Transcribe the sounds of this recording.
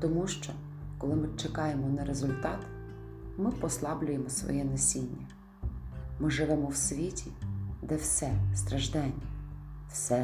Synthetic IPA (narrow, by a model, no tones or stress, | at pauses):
t̪ɔmuʃt͡ʃɔ | kɔlˠɪmɪt͡ʃekɑjemɔnɐɾezʊlʲt̪ɑt̪ | mɪpɔslˠɑblʲʊjemɔsʋɔ̰jɛnɐsʲinʲːɐ | mɪʒɪʋɛmɔwsʲʋʲitʲʰid̪ɛwsʲɛst̪ɾɐʒd̪ɛnʲːiwsʲɛ